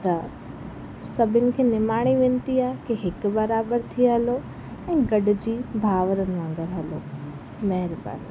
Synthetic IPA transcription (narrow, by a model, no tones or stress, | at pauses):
t̪ɐ | sɐbʱɪnɪ̆kʰeːnɪmaːɽ̃iʋẽːnɪt̪iaːkeɦɪkbɐɾaːbəɾt̪ʰiɦɐlo | ɛ̃ːɡɐɖʊ̆d͡ʑiːbʱaːʋəɾənɪ̆ʋãːŋɡəɾɦɐlo | mɐɦɪɾba̰ɾ